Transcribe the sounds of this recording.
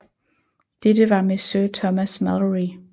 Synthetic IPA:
d̥ed̥əʋɑ̈mesøɐt͡sʰɒmæsmæləʁi

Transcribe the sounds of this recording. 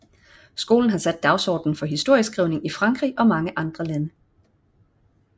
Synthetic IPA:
sɡ̥o̝̰ːln̩ɦɑ̈sæd̥̚ːɑ̈ʊsɒ̰ːd̥n̩fɒ̽ɦisd̥o̝ɐ̰jəsɡ̥ʁiʊne̝ŋifʁɑ̈ŋɡ̥ʁḭːʔɒ̽mɑ̈ŋəʔɑ̈nd̥ʁɐlænə

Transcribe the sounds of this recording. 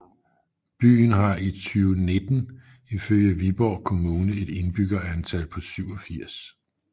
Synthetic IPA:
b̥y̰ːn̩ɦɑ̈it͡sʰyːʊəne̝d̥n̩ | iføl̰jəʋib̥ɒʊ̰kʰo̝muːnəe̝d̥e̝nb̥yɡ̥ɐænt͡sʰælpʰɒ̽syʊ̰ɒ̽fiɐ̰s

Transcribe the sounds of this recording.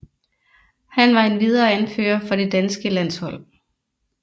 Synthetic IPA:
hænʋɑ̈e̝nʋið̞ˠɐːænfø̰ːɐfɒ̽d̥e̝d̥ænsɡ̥əlæn̰shɒ̽l̰

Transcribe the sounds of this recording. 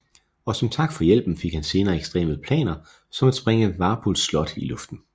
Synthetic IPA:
ɒ̽sɒ̽mt͡sʰɑ̈ɡ̥fɒ̽jel̰b̥n̩fe̝ɡ̥hænse̝ːnɐːeɡ̥sd̥ʁḛːməð̩ˠpʰlɛ̰ːnɐ | sɒ̽mæd̥sb̥ʁeŋəʋɑ̈ːb̥ʰolslɒ̽d̥ilɔfd̥n̩

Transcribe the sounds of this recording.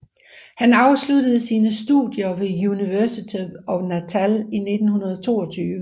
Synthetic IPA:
hænɑ̈ʊslud̥əð̞̩ˠsiːnəsd̥ṵdˠjɐʋe̝juniʋæɐsit͡sʰiɒ̽næt͡sʰæline̝d̥n̩hunɐð̞ˠɒt͡sʰo̝̰ːɒ̽t͡sʰyːʋə

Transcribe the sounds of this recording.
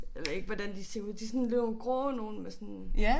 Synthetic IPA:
jjaʋe̝ðˠe̝ɡ̥ʋɒd̥ænd̥iseɐd̥isɔ̽nle̝ʊɡ̥ʁɔ̰ːno̝ːn̩mesɔn

